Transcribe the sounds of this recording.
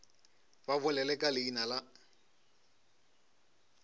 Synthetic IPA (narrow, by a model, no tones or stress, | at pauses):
βaβʊlɛlɛkʼalɪinala